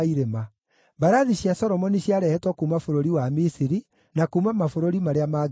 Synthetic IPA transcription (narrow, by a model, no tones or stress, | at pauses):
iɾema | baɾaðiɕjasɔɾɔmɔniɕjaɾɛhɛtwɔkumafoɾoɾiwamisiɾi | nakumamafoɾoɾimaɾeamaː